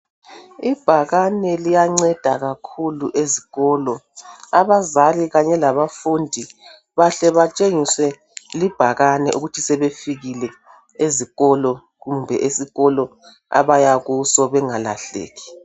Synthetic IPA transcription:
ib̥ʱaɣanɛlijaŋ͡ǀɛd̥ʱaɣakʰuluʔeziɣɔːlɔaβazaliɣaɲɛlaβafundʱi | βaɬɛβat͡ʃʼeŋiswɛ | lib̥ʱaɣanɛʔuɣutʰisɛβefiɣilɛ | eziɣɔlɔ | ɣumbʱɛ̰ʔesiɣɔlɔ | a̰βajaɣusɔβɛŋala̰ɬḛːɣi̥

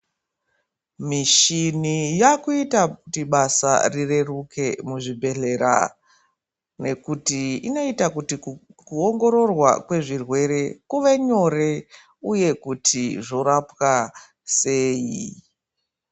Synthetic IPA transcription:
miʃinijakuitakutiɓasa̰rire̞ruke̞muʐibʱe̞ɬe̞ɾa̰ | ne̞kutiino̞itakutikuoŋɡo̞ɾo̞rwa̰kwe̞ʐirwe̞ɾe̞kuʋe̞ɲo̞re̞ | uje̞kutʰiʐo̞ɾapwa | seːji

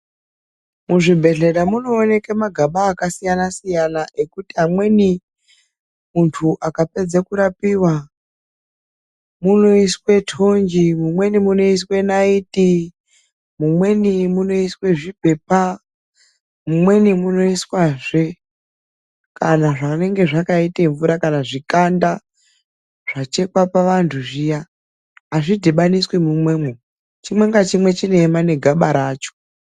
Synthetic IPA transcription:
muʐibʱe̞ɮe̞ɗamuno̞ːne̞kemaɡʱaɓaːkasijanasijanaʔe̞kutiɦamwe̞ni | muntʰuʔakape̞d͡zekuɾapiwa | muno̞iswe̞tʰond͡ʒimumwe̞nimuno̞is̬we̞naitʼi | mumwe̞nimuno̞iswe̞ʐibʱe̞pa | mumwe̞nimuno̞iswaʐe | kanaʐane̞ŋɡe̞ʐakaiteɱvuɾakanaʐikanda | ʐ̥at͡ʃe̞kwapaʋantʰuʐijaː | ʐidʱeɓaniswemumwe̞mo | t͡ʃimwe̞ŋɡat͡ʃimwe̞t͡ʃine̞mane̞ɡʱaɓaɾaːt͡ʃo̥

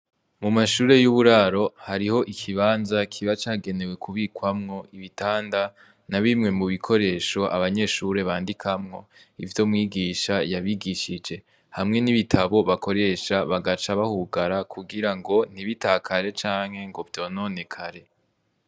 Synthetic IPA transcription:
mumaʃuːɾe̞juβuɾaɾo̞haɾiho̞ʔikʰiβaːnzakʰiβat͡ʃaːɡe̞ne̞we̞kʰuβiːkwamŋo̞iβitaːnda | naβimŋe̞muβikʰo̞ɾe̞ːʃo̞ʔa̰βaɲe̞ʃuɾe̞βaːndikʰamŋo̞ | ivjo̞mŋiːɡiːʃajaβiɡiʃid͡ʒe̞ | hamŋe̞niβitʰaβo̞βako̞ɾe̞ːʃaβaɡat͡ʃaβahuɡaɾakʰuɡiɾaŋɡo̞n̥iβitaːkʰaɾe̞t͡ʃaːŋ̥he̞ŋɡo̞vdo̞no̞ːne̞kʰaɾe̞

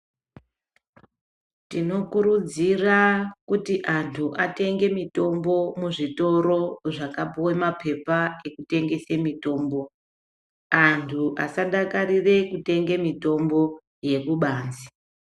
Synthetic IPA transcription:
tino̞kuɾud͡zirakutiʔantʰuʔate̞ŋɡe̞mito̞mbo̞muʐito̞ɾo̞ʐakapuwemapʰe̞pae̞kute̞ŋɡe̞semito̞ːmbo̞ | antʰuʔasaɗakarire̞kute̞ŋɡe̞mito̞mbo̞ | je̞kuɓaːnzi̥

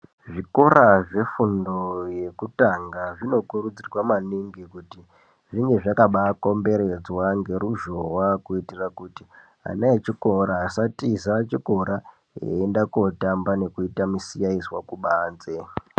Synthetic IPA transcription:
ʐiko̞ɾaʐe̞fundo̞je̞kutaŋɡaʐino̞kurud͡zirwamaniŋɡikuti | ʐiŋɡe̞ʐakaɓako̞mbe̞ɾe̞d͡zwaŋɡe̞ɾuʒo̞wakuitirakuti | a̰naet͡ʃiko̞ɾaːsatizat͡ʃiko̞ɾa | ḛːndakotambane̞kuitamusijaiswakuɓaːnze

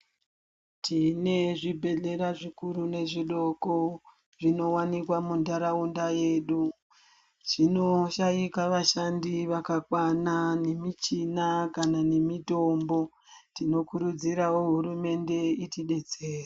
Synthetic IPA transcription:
tʰine̞ʐibʱe̞ɮe̞ɾaʐikuɾune̞ʐiɗo̞ko | ʐino̞wanikwamundaɾaundaje̞ːɗu | t͡ʃino̞ʃajikaʋaʃandiʋakakwanane̞mit͡ʃinakanane̞mito̞mbo̞ | tino̞kuɾud͡ziɾawo̞ɦurume̞nde̞itiɗe̞d͡ze̞ːra

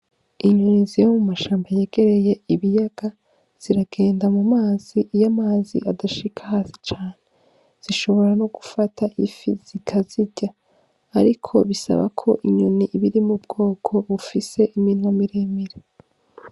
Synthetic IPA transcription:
iɲonizijomumaʃaːmbaje̞ːɡ̥e̞ɾe̞je̞iβijaɡ̥a | z̥iɾaɡ̥e̞ːndamumaːz̥ijamaːzḭʔadaʃikʰḁhaːsi̥t͡ʃaːne̞ | z̥iʃo̞βo̞ɾano̞ɡ̥ufatʰaʔifiz̥ikʰaziɟ̥aː | ɾikʰo̞βisa̰βa̰kʰo̞̰ʔiɲoniʔiβiɾimubɡo̞ːkʰo̞βufise̞ʔiminŋwamiɾiːmiɾe

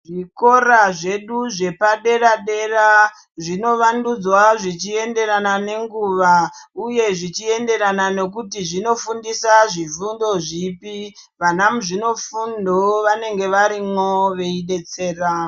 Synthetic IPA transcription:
ʐiko̞ɾaʐe̞ɗuʐe̞paɗe̞raɗe̞ra | ʐino̞ʋandud͡zwaʐit͡ʃie̞nde̞ɾanane̞ŋɡuːʋauje̞ʐit͡ʃie̞nde̞ɾanane̞k̬utiʐino̞fundisaʐivundo̞ʐipi | ʋanamuʐino̞fundoʋane̞ŋɡe̞ʋaɾimoʋe̞iɗe̞t͡se̞ːra

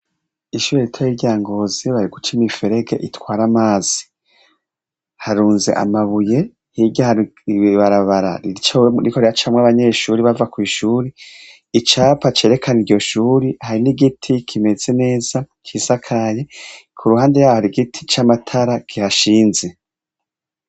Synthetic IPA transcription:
iʃuːɾeɾitʰajiɟaːŋɡo̞ziβaɾiɡut͡ʃimifeɾeɡḛʔitwaːɾamaːz̥i̥ | haɾuːnze̞̰ʔa̰maβuje̞ | hiɟahaiiβaɾaβaɾa̰it͡ʃoɾikoɾiat͡ʃamŋaβaɲe̞ʃuːɾiβavakwiːʃuːɾiː | t͡ʃaːpat͡ʃe̞ːɾe̞kʰanidɟo̞ʃuːɾihaɾiniɡitʰikʰime̞z̥e̞ne̞ːz̥a | t͡ʃisakʰaje̞kʰuɾuhaːndejaːwohaɾiɡitʰi̥t͡ʃamatʰaɾakihaʃiːnze̞

